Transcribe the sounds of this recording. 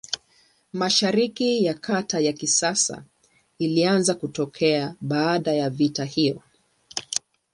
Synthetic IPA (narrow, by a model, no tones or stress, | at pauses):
maʃaɾikijakʰatajakisasa̰ | ilianzakutɔkʰɛaɓaːɗajavitahijɔ